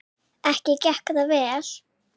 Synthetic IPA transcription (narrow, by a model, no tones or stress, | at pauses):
ɛhcɪcɛhkðavɛːl̥